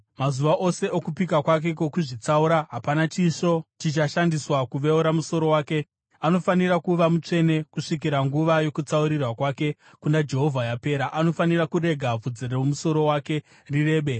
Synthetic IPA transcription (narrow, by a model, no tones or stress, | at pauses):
mazuʋaʔo̞se̞ʔokupikakwak̬e̞kokuʐit͡sauɾaɦapanat͡ʃiʃo̞t͡ʃit͡ʃaʃandiswakuʋeuɾamuso̞ɾo̞waːke̞ | ano̞fanirakuʋamut͡ʂe̞ne̞kuʂik̬iɾaŋɡuʋajo̞kut͡sauɾirwakwaːke̞ | kundad͡ʒe̞ɦo̞vʱajape̞ːɾaʔano̞fanirakure̞ɡʱavud͡zereumuso̞ɾo̞wake̞ | rire̞ːɓe̞